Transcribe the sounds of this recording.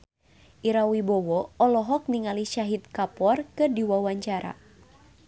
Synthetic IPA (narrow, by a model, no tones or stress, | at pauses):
ʔiɾawibɔwɔɔlɔɦɔk̚niŋaliʃaɦit̪̚kapɔrkɨrdiwawaɲt͡ʃaɾa̰